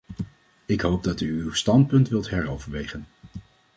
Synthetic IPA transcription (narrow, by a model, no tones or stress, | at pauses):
ɪkɦowb̚dɑtyːwstɑntpɵntʋɪlˠtɦɛɹowvəɹʋejχən